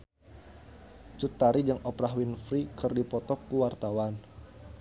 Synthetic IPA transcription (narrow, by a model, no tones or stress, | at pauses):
t͡ʃut̪ːaɾid͡ʒəŋɔpɾaɦwinfɾikərdipɔt̪ɔkːuwart̪awan